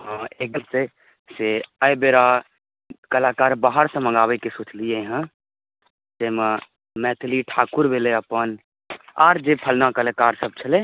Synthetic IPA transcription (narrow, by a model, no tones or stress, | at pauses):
ɦãek̚d̪ut̪e | seəjbeɾa | kəlaːkaːɾbaːɦəɾsə̃mə̃ŋɡaːʋekesut͡ʃlieɦə̃ | d͡ʒemã | mɛːt̪ʰliʈʰaːkuɾbeleəpən | a̰ːɾd͡ʒepʰəlnakəlakaːɾsəb̚t͡ʃʰəle